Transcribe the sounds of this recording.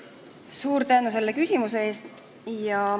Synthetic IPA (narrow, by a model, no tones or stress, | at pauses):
suːɾt̪æːnus̬e̞lːe̞kysʲimuse̞e̞ːst̪ | jɑ